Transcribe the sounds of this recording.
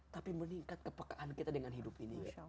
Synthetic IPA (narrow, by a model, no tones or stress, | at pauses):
t̪apiməniŋkat̪̚kəpakaʔankit̪adəŋanɦidʊpini